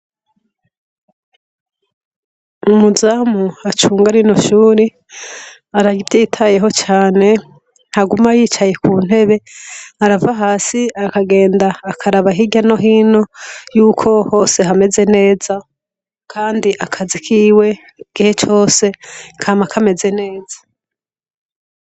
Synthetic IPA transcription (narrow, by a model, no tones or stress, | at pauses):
umuzamuat͡ʃuːŋɡaɾino̞ʃuːɾi | aɾaɡivjiːtʰaje̞ɦo̞t͡ʃaːne̞ | haɡumajiːt͡ʃaje̞kuːn̥e̞βe̞haɾavaɦaːsiakaɡe̞ːndaːkʰaɾaβaɦiɟano̞ɦiːno̞juːkʰo̞ho̞ːse̞ɦame̞ze̞ne̞ːz̥a | kʰaːndiʔakʰazikʰiːwe̞ | ɡ̥ihe̞t͡ʃo̞ːse̞kʰamakʰame̞ze̞ne̞ːza